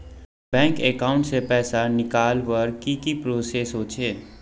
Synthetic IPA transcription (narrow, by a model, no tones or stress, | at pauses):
bɛ̃ːŋkekaːʊ̃ɳʈsepɛːsanɪkaːlʋəɾkikipɾoːsesoːt͡ʃʰeː